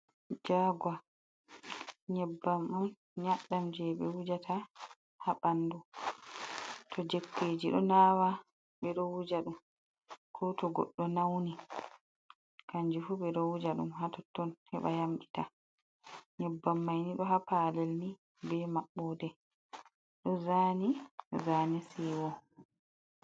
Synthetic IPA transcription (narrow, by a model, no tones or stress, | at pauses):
d͡ʒaɡwa | ɲɛbːamɗun | ɲaɗːamd͡ʒɛɓɛwud͡ʒatʰa | haɓanːdu | tʰɔd͡ʒekːeːd͡ʒiɗɔnaːwa | ɓɛɗɔwud͡ʒaɗum | kʰɔtɔɡɔ̰ɗːɔnawni | kaɲd͡ʒufuɓɛɗɔwud͡ʒaɗṵmɦatɔtːɔnhɛɓa̰jamɡita | ɲɛbːamːajniɗɔɦapaːlɛlni | bɛmaɓːɔːdɛ | ɗɔzaːnizaːnisiwɔ